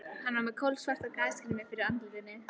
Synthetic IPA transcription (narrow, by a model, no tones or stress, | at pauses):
hanːamɛkʰɔlsvar̥t̪akaːjskɪnɪmjɛɾfɪɾɪɾant̪lɪt̪ɪnːɪ